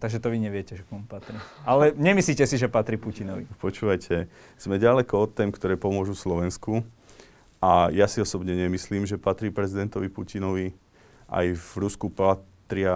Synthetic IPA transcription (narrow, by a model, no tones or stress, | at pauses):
t̪aɡʒɛt̪ɔʋiɲɛʋɪɛcɛʒɛkɔmpat̪ɾiʔalɛɲɛmislicɛsiʒɛpat̪ɾipucinɔʋipɔt͡ʃuːʋajcʰɛ | z̥mɛɟalɛkɔɔt̪ːɛːmkt̪ɔɾɛːpɔmʊɔʒuslɔʋɛnsku | ʔajasiɔsɔbɲɛɲɛmisliːmʒɛpat̪ɾiːpɾɛzid̪ɛnt̪ɔʋipucinɔʋi | ʔa̰jvɾuskupat̪ɾɪa